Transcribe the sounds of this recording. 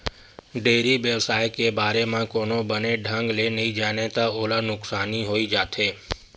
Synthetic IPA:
ɖeːɾiʋeʋsaːjkebaːɾemãkoːnobəneɖʱə̃ŋɡleːnəid͡ʒaːnet̪aoːlanʊksaːniɦoːid͡ʒaːt̪ʰɦeː

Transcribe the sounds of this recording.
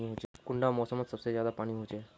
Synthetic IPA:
iɦot͡ʃekʊɳɖamɔsəmət̪səbsezjad̪apaɽ̃iɦot͡ʃe

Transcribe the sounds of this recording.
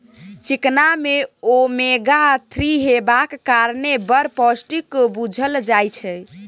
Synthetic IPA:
t͡ʃiknameomeɡat̪ʰɾiɦebakːaɾnebəɾpɔsʈikbud͡ʒʱəld͡ʒajt͡ʃʰɛ

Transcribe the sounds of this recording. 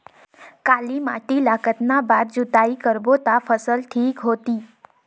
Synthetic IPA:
kalima̰ʈilakət̪nabaɾd͡ʒut̪aikəɾbot̪afəsəlʈʰiːkɦot̪i

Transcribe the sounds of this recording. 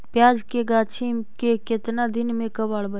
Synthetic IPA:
pjaːd͡ʒkeɡaːt͡ʃʰimkekɪt̪nad̪ɪnmẽkəbaːɽbə

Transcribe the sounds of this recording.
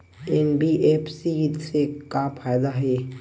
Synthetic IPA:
enbiʔeːpsid̪sekapʰaːjd̪aɦɛː

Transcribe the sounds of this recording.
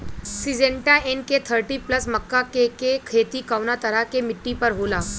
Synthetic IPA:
sid͡zeɳʈaenket̪ʰəɾʈiːpləsməkːakekekʰet̪iːkawnat̪əɾakemiʈːipəɾɦola

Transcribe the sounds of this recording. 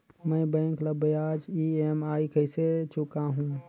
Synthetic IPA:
məbə̃ɪŋkləbəjaːd͡ʒiemaːjkʰəset͡ʃʊkaɦũ

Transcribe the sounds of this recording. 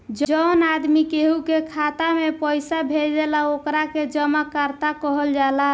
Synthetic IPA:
d͡ʒənad̪mikeɦukekʰat̪amepəjsabʱeld͡ʒelaokɾaked͡ʒəmakəɾt̪akəɦəld͡ʒala

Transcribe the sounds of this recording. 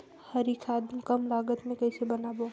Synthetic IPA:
hɐɾikʰaːd̪mkɐmlaːɡət̪mẽkɐɪsebɐnaːboː

